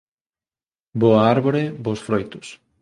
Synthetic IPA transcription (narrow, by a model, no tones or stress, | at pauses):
boɐaɾβoɾebosfɾojt̪ʊs